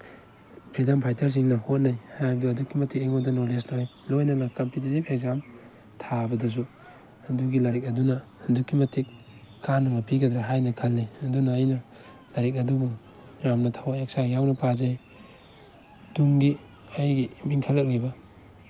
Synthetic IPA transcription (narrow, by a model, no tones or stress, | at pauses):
pʰidampʰajtʰɐɾs̬iŋnɐhot̚najhaduɐdukːimɐtʰik̚eŋodɐnolesnaajlojnɐŋɐkɐmpit̬itipekzam | tʰabɐdɐs̬u | hɐnduɡilɐɾik̚ɐdunɐhɐndukːimɐtʰik̚ | kanːɐŋɐpʰiɡɐdɾaɦajnɐkʰɐlniɐdunɐːjnɐ | lɐɾik̬̚ɐdubuŋ | jamnɐtʰawaek̚sajawnɐpʰazaj | duŋɡi | ajɡimiŋkʰalːɐk̚libɐ